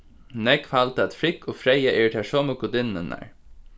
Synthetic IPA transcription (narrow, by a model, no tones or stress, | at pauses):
nɛkfalt̪əæt̪fɾɪkoːfɾɛjaʔɛɹt̪ʰæʂɔmʊkʊd̪ɪnənæ̰ɹ